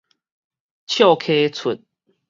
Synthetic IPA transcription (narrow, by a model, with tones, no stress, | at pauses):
t͡ɕʰjo˥˨kʰe˦t͡sʰu˨˩n̚